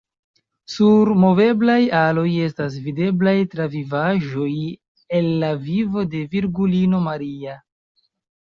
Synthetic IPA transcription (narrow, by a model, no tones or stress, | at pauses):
suɾmo̞ve̞blajalo̞je̞s̬tas̬vide̞blajtɾavivaʒo̞j | e̞lːavivo̞de̞viɾɡulino̞maɾia